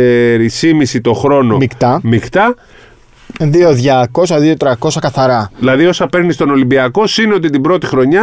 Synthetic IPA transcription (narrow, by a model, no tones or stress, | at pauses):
eɾisimisit̪o̞xɾo̞no̞mikt̪ɐmikt̪ɐ | ðio̞ðʝɐko̞sɐðio̞t̪ɾɐko̞sɐkɐθɐɾɐilɐðio̞sɐpe̞ɾnist̪o̞no̞limbiɐko̞sineo̞t̪it̪ibɾo̞t̪ixɾo̞ɲɐ